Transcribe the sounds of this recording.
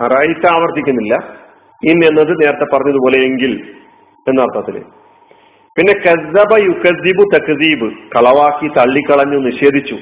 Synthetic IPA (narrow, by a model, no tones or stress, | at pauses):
ɐraːjit̪ːaːʋɐrt̪ːikʲːunːilːɐ | inːe̞nːɐðɨne̞ːɾɐt̪ːe̞pːɐrɐɲːɐðupo̞ːle̞eŋɡil | enːɐrt̪ʰaɐːt̪ːilḛ | pinːe̞kɐzːɐbɐjukɐzːibut̪ɐkziːbɨkɐɭɐʋaːkːit̪ɐɭːikːɐɭɐɲːuniɕe̞ːd̪ʱit͡ɕːu